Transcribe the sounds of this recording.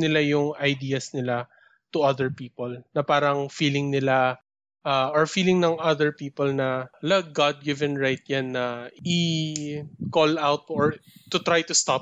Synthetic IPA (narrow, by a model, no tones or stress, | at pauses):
nɪlajʊŋɐjd̪iːɐsnɪla | t̪ʊʔɐðɛɹpiːpolnɐpaːɾɐŋfiːlɪŋnɪla | ʔaɔɹfiːlɪŋnɐŋʔɐðɛɹpiːpɔlnɐlɐk̚ɡad̪̚ɡɪvɛ̃nɹajt̪̚janːɐi | kolawt̪̚ɔɹt̪ʊt̪ɹajt̪ʊst̪ap̚